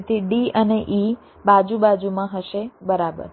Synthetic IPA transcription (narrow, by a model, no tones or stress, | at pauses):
t̪ʰiɖiəneʔi | bad͡ʒubad͡ʒumãɦəʃebəɾabə̰ɾ